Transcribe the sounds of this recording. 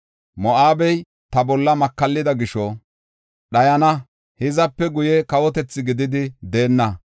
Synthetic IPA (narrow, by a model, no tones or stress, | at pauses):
mɔʔaːbɛj | t̪ɐbɔlːɐmɐkːɐlːɪd̪ɐɡɪʃɔ | ɗɐjɐnɐ | hɪzɐpːɛɡʊjɛkɐwɔt̪ɛt͡sːɪɡɪd̪ɪd̪ɪd̪e̞ːnːɐ